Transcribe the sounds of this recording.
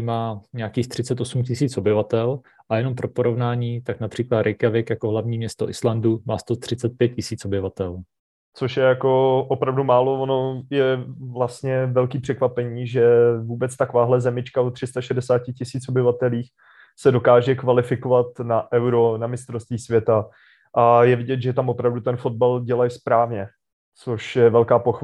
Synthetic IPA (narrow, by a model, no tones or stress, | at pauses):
imaːɲɛakiːxt̪r̥ɪt͡sɛt̪osumcɪsiːt͡sʔobɪvat̪ɛl | ʔajɛno̞mpɾopoɾovnaːɲiːt̪aknapr̥iːklat̪ɾɪkɛvɪkjakoɦlavɲiːmɲɛst̪oʔɪslanduma̰ːst̪ot̪r̝̥ɪt͡sɛt̪̚pjɛt̪̚cɪsiːt͡sʔobɪvat̪ɛl | t͡soʃjɛjako̞ʔopɾavdumaːlo̞vono̞jɛvlast̪ɲɛvɛlkiːpr̥ɛkvapɛɲiːʒɛvuːbɛt͡st̪ako̞vaːɦlɛzɛmɪt͡ʃkaot̪r̝̥ɪst̪aʃɛdɛsaːcɪcɪsiːt͡sobɪvat̪ɛliːx | sɛdo̞kaːʒɛkvalɪfɪkovat̪naʔɛwɾo̞namɪst̪ɾost̪viːsvjɛt̪a | ʔajɛvɪɟɛt̪ʒɛt̪amopɾavdut̪ɛnfo̞d̪̚balɟɛlajspɾaːvɲɛ | t͡soʃjɛvɛlkaːpox